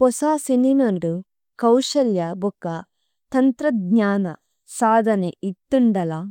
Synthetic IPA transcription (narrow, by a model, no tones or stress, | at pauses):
pɔsaːsininɐɳɖu | kɐwʃɐljɐbukːɐ | t̪ɐnt̪ɾɐd̪ɲaːnɐ̰ | saːd̪ʱɐneit̪ːuɳɖɐlɐ